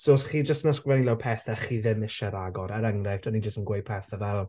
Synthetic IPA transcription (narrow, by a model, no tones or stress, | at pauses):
soːsχiːd͡ʒəstnɔskwvɛnilɛwpʰɛːθaχiːðɪmɪʃaɾaɡɔɾaɾaŋrajftʰɔnid͡ʒəstənɡwej̚pʰɛθavɛl